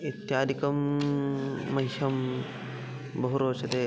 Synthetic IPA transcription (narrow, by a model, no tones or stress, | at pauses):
it̪jaːd̪ikɐmː | ɐjʃɐm | bɐɦuɾoːt͡ʃʰɐt̪e